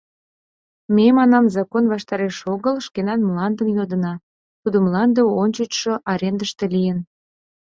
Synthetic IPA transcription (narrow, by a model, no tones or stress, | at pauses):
memɑnɑmzɑkonβɑʃt̪ɑɾeʃoɣəlʃkenɑnmlɑnd̪əmjod̪ənɑ | t̪ud̪ə̆mlɑnd̪əonʲt͡ɕət͡ɕʃoʔɑɾend̪əʃt̪elijən